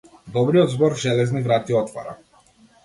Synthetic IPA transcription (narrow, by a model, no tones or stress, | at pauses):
d̪ɔbɾijɔd̪zbɔɾʒɛlɛznivɾat̪iɔt̪va̰ɾa̰